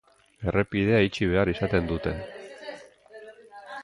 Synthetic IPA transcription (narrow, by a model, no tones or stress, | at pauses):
e̞re̞piðe̞ait͡ʃiβ̞e̞arisat̪e̞nd̪ut̪e̞n